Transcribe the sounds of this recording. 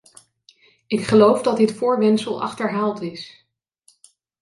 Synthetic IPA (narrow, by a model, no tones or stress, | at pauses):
ɪkχəlowvdɑtɪtfʊːɹʋɛnsəlˠɑ̰χtəɹɦaːlˠtɪs